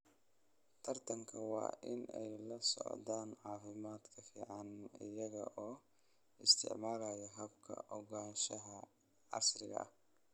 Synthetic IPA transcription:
t̪ʰɐrt̪ʰɐŋkʰɐwɑ̰ːʔɪnɛ̰jlɐsɔ̰ʕd̪aːnʕɑːfɪmaːd̪kʰɐfḭːʕɑnɪ̰jɐɣɐʔɔː | ɪst̪ʰɪ̰ʕmaːlajɛɦɐbkʰɐ̰ʔɔɣaːnʃɐɦɐ | ʕɑ̰srɪɣɐ̰ɐ̰h

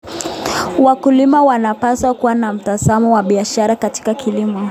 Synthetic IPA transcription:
wakulimawanapaswakuwanam̩tazamɔwaɓiaʃaɾakati̥kakʰilimɔ

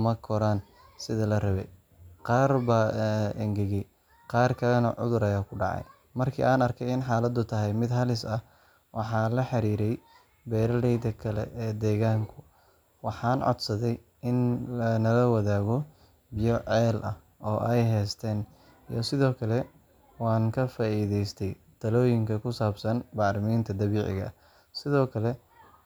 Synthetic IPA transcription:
mɐkʰɔɾan | sɪðɐlɐrɐβɛ̰j | qɑːrbɐʔɛŋɡɛɣɛj | qɑːrkʰɐlɛnɐʕʊ̰ðʊɾɐjaːkʰʊɖɑʕɑ̰j | mɐrkʰḭːʔaːnɐrkʰɛjɪnħɑːlɐd̪ʊt̪ʰɐɦɛjmɪd̪ɦɐlɪsɐ | wʔɑħɑːlɐħɑɾiːɾɛj | bɛːɾɐlɛjd̪ɐkʰɐlɛ̰ʔɛːd̪ɛːɣaːŋkʰʊ | wɑħɑːnʕɔ̰d̪sɐðɛj | ɪnlɐnɐlɐwɐðaːɣɔ | bɪjɔʕɛːlʔɐ̰h | ɔːʔɛjɦɛːst̪ʰɛːn | ijɔsɪðɔːkʰɐlɛ | wɑːŋkʰɐfaːiːðɛjst̪ʰɛj | d̪̥ɐlɔːjɪŋkʰɐkʰʊsaːbsɐnbɑːɾɪmiːnt̪ʰɐd̪ɐβiːʕɪ̰ɣɐ̰ | sɪðɔːkʰɐlɛ

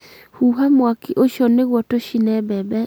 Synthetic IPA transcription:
huɦamwakiʔoʃɔneɣwɔtoʃinɛbɛbɛ

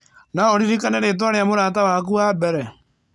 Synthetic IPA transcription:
naoɾiɾikaneɾet̬waɾejamoɾaːt̬awak̬uabɛɾɛ

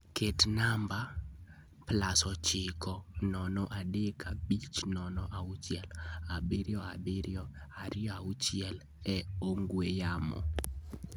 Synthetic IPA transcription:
kʰetnamba | plasɔt͡ʃɪkɔnɔnɔʔadekʰabit͡ʃnɔnɔʔaut͡ʃjɛlabɪɾjɔabɪɾjɔaɾɪɔaut͡ʃɪjɛl | ɛoŋɡwejamɔ̰

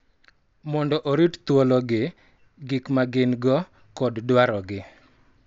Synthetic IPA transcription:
mɔndɔʔoɾitt̪wɔlɔɡɪ | ɡɪkmaɡɪnɡɔ | kɔddwaɾɔɡɪ

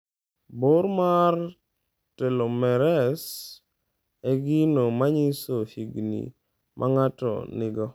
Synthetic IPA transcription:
boɾmar | tɛlomɛɾɛs | ɛɡɪnomaɲisohiɡnḭ | mʔaŋatɔ̰nɪɡɔ

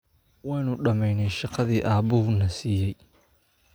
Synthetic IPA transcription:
wɑːnʊɖɐmɛjnɛjʃɑqɑðiːʔaːbʊhʊnɐsiːjɛj

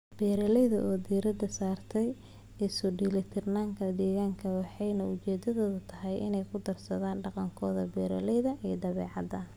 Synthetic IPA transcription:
b̥ɛːɾɐlɛjðɐʔɔːd̪iːɾɐd̪ɐsaːrt̪ʰɛj | ɪsʊɖiːlɪt̪ʰɛrnaːŋkʰɐd̪ɛːɣaːŋkʰɐwɑħɑjnɐʊt͡ʃɛːd̪ɐðɔːðɐt̪ʰɐɦɛjʔɪ̰nɛjkʰʊd̪ɐrsɐðaːnɖɑqɑŋkʰɔːðɐbɛːɾɐ̰lɛjðɐʔiːd̪ɐβɛ̰ːʕɑ̰d̪ɐ

